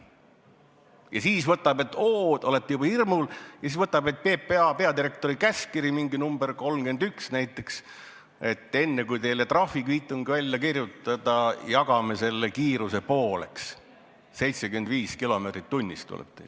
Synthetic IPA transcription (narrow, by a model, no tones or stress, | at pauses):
jɑsiːsvɤt̪ːˑɑb̥e̞t̪ːˑoːd̪̥o̞let̪ːˑejub̥ɑhirmuljɑsiːsvɤt̪ːˑɑbe̞t̪̚pe̞ːpːeɑpe̞ɑd̪iɾe̞k̚t̪o̞ɾikæskiɾimiŋɡinumberko̞lmke̞nd̪yksnæjt̪ːˑe̞ks | e̞t̪ːˑe̞nːekujt̪e̞jle̞t̪rɑfːikiːt̪ːˑuŋɡivælʲːjɑkirjut̪ːˑɑd̪̥ɑjɑɡɑmese̞lːekiːɾuse̞po̞ːle̞̰ks | se̞jt̪seɡymend̪viːskilo̞meːt̪rit̪ːunʲːist̪ːṵlʔḛb̥t̪ḛ